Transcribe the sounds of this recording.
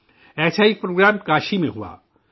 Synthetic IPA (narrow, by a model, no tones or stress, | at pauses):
ɛːsaipɾoːɡɾaːmkaːʃimḛ̃ɦua̰ː